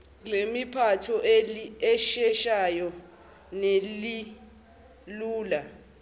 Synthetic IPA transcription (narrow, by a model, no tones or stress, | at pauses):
lemipʰatʰɔʔɛʃɛʃajɔ | neli | luːla